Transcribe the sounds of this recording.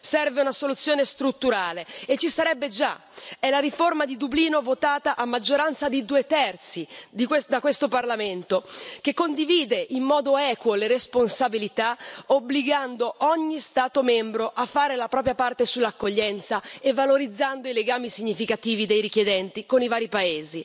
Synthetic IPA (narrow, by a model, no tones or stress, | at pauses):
sɛrveunasolut̪sːjoːnest̪ɾut̪ːuɾaːleet͡ʃːisaɾɛbːed͡ʒaɛlaɾiformad̪id̪ubliːnovot̪aːt̪aʔamːad͡ʒːoɾant̪sad̪ed̪uːet̪ɛrt̪sid̪ikwed̪akwest̪oparlament̪ok̟ekːond̪iviːd̪eʔimːɔːd̪oɛːkwoleresponsabilit̪aobliɡand̪oʔɔɲːist̪aːt̪omɛmbɾoʔafːaːɾelapɾɔːp̬ɾjapart̪esulːakːoʎːɛnt̪saevːaloɾid̪zːand̪oileɡaːmisiɲːifikat̪iːvid̪ejɾik̟jed̪ɛnt̪ikonivaːɾipaeːzi